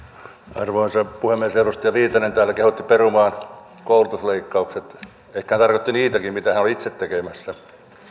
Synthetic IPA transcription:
ɑ̰rʋoinsepuhemːieserust̪ijɑʋiːt̪ɑnent̪æːlːækehut̪ːiperumɑːn | koulut̪usleikːɑukset̪ | eikːæhænt̪ɑrkot̪ːiniːt̪ækimmit̪æhænoliit̪set̪tekemæsːæ

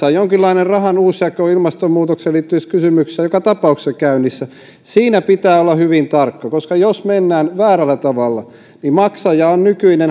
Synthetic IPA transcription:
ɑjjoŋkilːɑinerrɑhɑnuːsjɑkoilmɑst̪omuːt̪okseliːt̪ːyiskysymykssejokɑt̪ɑpɑˑuksekæynisːæ | siːnæpit̪æːolːɑhyʋint̪ɑrkːɑkoskɑjosmenːæːnʋæːrælːˑæt̪ɑʋɑlːɑ | nimɑksɑjɑːonnykyinen

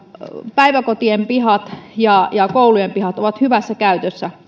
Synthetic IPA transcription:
pæiʋækot̪iempihɑt̪jɑjɑkoulujempihɑt̪oʋɑt̪hyʋæsːækæyt̪øsːæ

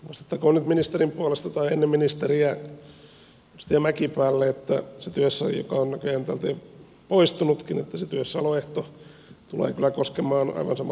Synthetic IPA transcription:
ʋost̪ɑ̥t̪ːɑkoːnnyt̪minist̪erimpuɑlest̪ɑt̪ɑienːeminist̪eriæ | ust̪iæmækipæːlːeet̪ːæ̰set̪yøsːæjo̰kɑonnækøjænt̪æːlt̪eː | poist̪unut̪kinḛt̪ːæset̪yøsːæɑloeht̪o | t̪ulḛːkylˑækoskemˑɑːnɑ̰iʋɑnsɑmɑ

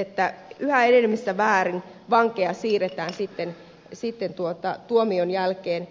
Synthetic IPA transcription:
et̪ːæyhæenelmːist̪æʋæːrin | ʋɑŋkeɑsiːret̪æːnsit̪ːen | sit̪ːent̪uot̪ɑt̪uomionjælkeːn

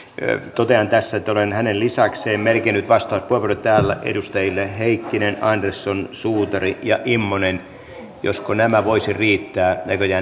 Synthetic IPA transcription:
t̪ot̪eɑnt̪æsːæet̪ːæolenhænellisɑkseːmmelkinːyt̪ʋɑst̪ɑuspuepuret̪t̪æːlːæ̰ʔḛdust̪ɑjilːeheikːinenɑnd̪ersːonsuːt̪ɑrijɑ̰ʔimːonen | jo̰skonæmæʋoisiriːt̪ːæːnækøjæː

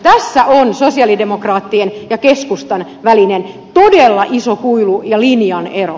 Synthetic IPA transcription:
t̪æsːæʔonsosiɑlidemokrɑːt̪ːienjɑkeskust̪ɑn | ʋælinen | t̪odelːɑʔisokuilujɑlinjɑnero̰

